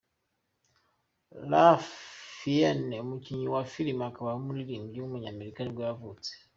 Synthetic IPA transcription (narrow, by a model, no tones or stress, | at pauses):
lafienemuciɲuwafilimakaβaumuɾiɾiːɲɡiumuɲaːmeɾikaniɡwejavut͡se̥